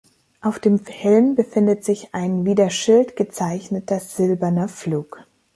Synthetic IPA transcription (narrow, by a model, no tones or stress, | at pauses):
ʔaʊfd̥eːmhɛlmbəfɪndətz̥ɪçʔaɪnviːdeɐʃɪltɡ̥ət͡saɪçnətɐz̥ɪlbɐnɐfluːk